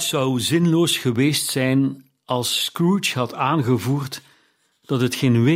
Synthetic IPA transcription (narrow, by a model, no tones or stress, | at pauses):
sʌwzɪnloːsχəʋeːstsɛjn | ɑlˠsːkɹut͡ʃɦɑtʰaːnɣəvuːrt | d̥ɑtɦətxeːnʋe